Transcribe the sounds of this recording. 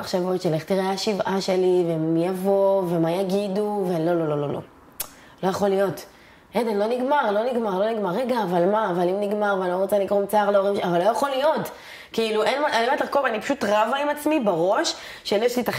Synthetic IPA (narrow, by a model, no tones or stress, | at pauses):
aχʃavotʃeleχt̪iʁeaaʃivʔaʃe̞livemijavo̞ve̞majaɡiduvelo̞lo̞lo̞lo̞lo̞̰ | lo̞jaχo̞lijo̞t | ʔedenlo̞niɡmaʁlo̞niɡmaʁlo̞niɡmaʁːeɡaːvalmaːvalimniɡmaʁvanloʁot͡salikʁomt͡saːʁlooʁimʃavalojaχo̞lijo̞t | kiiluʔenmaanimatlaʁkovanipḁʃutʁavaimat͡smibeʁo̞ʃ | ʃelɛʃlitaχ